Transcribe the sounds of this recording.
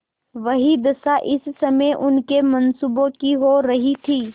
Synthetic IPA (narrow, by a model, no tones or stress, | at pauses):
ʋɐɦid̪ɐsaʔɪsːɐməjʔʊnkemɐ̃nsuːbõkiɦoɾɐɦit̪ʰiː